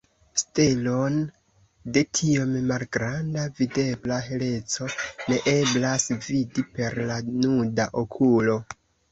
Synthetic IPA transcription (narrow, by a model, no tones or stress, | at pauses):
stelon | de̞tʰio̞mmalɡɾandavide̞blaɦe̞le̞t͡so̞ne̞ʔe̞blasvidipe̞ɾlanudaʔokʰulo̞